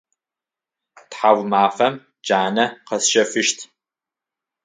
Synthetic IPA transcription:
tħawʷmaːfɐm | d͡ʒaːnɐqɐsʃɐfɨʃtʰ

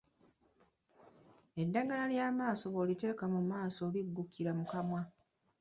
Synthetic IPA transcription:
e̞dːaɡalaljaːmaːso̞βoːlite̞ːkamumaːso̞ːliɡːukːiɾamukamwa

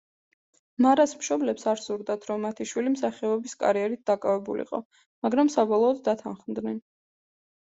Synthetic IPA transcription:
maɾasmʃɔblɛpsaɾsuɾd̪at̪ʰɾɔmːat̪ʰiʃwilimsaχɛɔbiskʼa̰ɾiɛɾit̪̚d̪̥akʼavɛbṵlḭqʼɔ̰ | maɡɾamsabɔlˠɔːd̪ːat̪ʰanχmd̪nɛn

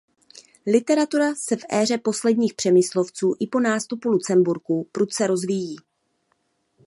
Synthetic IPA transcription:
lɪt̪ɛɾat̪uɾasɛfʔɛːr̝ɛpo̞slɛdɲiːxpr̥ɛmɪslo̞ft͡suːʔɪpo̞naːst̪upulut͡sɛmbuɾkupɾut̪t͡sɛɾo̞zvijiː

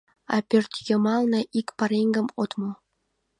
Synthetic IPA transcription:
ɑ̰pørt̪jəmɑlnɤ̆ʔikpɑɾeŋɡə̆mot̪mo

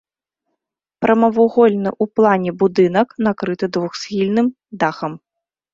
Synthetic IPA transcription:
pɾʔɐmɐvuɣɔlʲnɨʔuplˠanʲɛbud̪ɨnɐknakɾɨt̪ɨd̪vuxsʲxʲilʲnɨm | d̪axɐm

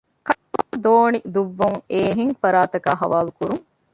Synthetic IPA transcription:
kɐʈːud̪oːnid̪uʋːuŋeːɦiŋfɐɾaːt̪ɐkaːɦɐʋaːlukuɾuŋ

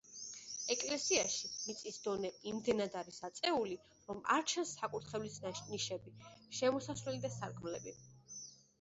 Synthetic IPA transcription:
ɛkʼlɛsiaʃimit̪sʼisd̪ɔnɛimd̪ɛnad̪aɾisat̪sʼɛuli | ɾɔma̰ɾt͡ʃʰansːakʼut̪χɛvlisniʃɛbiʃɛmɔsasvɛlid̪asaɾkʰʼmlɛbi

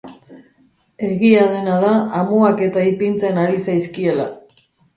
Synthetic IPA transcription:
e̞ɣiað̞e̞naðaːmuake̞t̪aipint͡se̞naɾisajskie̞la̰

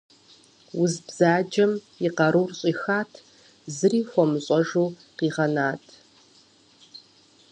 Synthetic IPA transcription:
wʊzbz̥aːd͡ʒɐm | iqɐɾuːrɕʼiːxaːtʰ | zɨriːxʷɔmɨɕʼɔʐuː | qiːʁɐnaːtʰ

